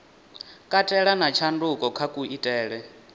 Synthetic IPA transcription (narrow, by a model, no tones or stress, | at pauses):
kʼatʼɛɺanat͡ʃʰandukʼɔkʰakʼuitʼɛːɺɛ